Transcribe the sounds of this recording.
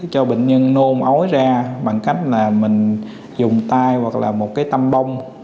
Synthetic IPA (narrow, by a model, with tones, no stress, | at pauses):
t͡ɕɔ˧ɓe˨˩ŋ̟ɲə˧nno˧mʔo˨˦jzaː˧ɓa˨˩ŋka˦˥jk̟̚laː˨˩mï˨˩ŋ̟ | zʊ˨˩ŋ͡mt̪aː˧jwa˨˩k̚la̰ː˨˩mo˨˩t̚kaː˨˦jt̪a˧mɓə˧wŋ͡m